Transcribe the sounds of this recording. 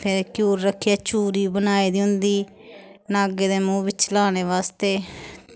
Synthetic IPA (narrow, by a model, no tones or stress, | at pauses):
pʰɪɾkjuːɾːəkʰːɪjaːt͡ʃuːɾiːbənaːiːd̪iːɦʊnd̪iː | naːɡeːd̪eːmũːʋɪt͡ʃlaːñeːʋaːst̪eː